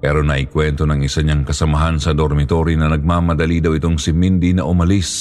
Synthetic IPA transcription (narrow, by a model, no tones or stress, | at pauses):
pɛɾo̞nɐʔɪkwɛnt̪o̞nɐŋɪsaɲaŋkɐsɐmɐɦansɐd̪oɾmɪt̪o̞ɾinɐnɐɡ̚mamɐd̪ɐlid̪ɐwɪt̪o̞ŋsɪmind̪inɐʔʊmɐlis